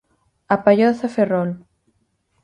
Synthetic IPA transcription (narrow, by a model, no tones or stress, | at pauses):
apajoθaferɔl